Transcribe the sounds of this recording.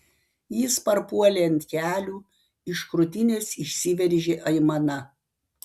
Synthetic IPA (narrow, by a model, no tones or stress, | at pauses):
jiːspɐɾpuɔlʲeːnt̪ʲkʲæːlʲuː | ɪʃkɾʊt̪ʲɪnʲeːsɪʃʲsʲɪʋʲɛɾʲʒʲeʔɐɪmɐnɐ